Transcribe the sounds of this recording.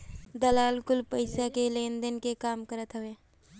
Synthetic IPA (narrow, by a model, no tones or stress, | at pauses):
d̪əlaːlkʊlpəɪsakeleːnd̪ənkekaːmkəɾət̪ɦəʋeː